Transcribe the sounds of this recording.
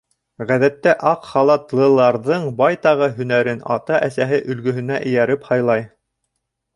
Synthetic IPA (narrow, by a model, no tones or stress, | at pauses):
ʁæðæt̪ːæʔɑqχɑlˠɑt̪lˠɤ̆lˠɑɾðɤɴbɑjt̪ɑʁɤɦɵ̆næɾɘnɑ̰t̪ɑʔæsæɦɘʔɵ̆lɡɵ̆ɦɵ̆næʔɘ̆jæɾɘphɑjlˠɑj